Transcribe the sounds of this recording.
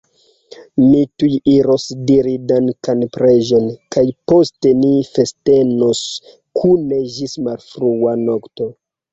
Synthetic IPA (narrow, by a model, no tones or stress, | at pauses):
mitujiɾo̞sdiɾidankanpɾeʒo̞nkajpo̞ste̞nife̞ste̞nos | kʰune̞ʒismalfɾuano̞kto̞